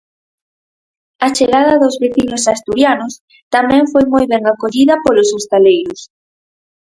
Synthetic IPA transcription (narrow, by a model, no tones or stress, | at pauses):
at͡ʃeɣaðɐðozβeθinosast̪uɾjanʊs | t̪amɛ̃ŋfojmojβɛŋakoʎiðɐpolosost̪alejɾʊs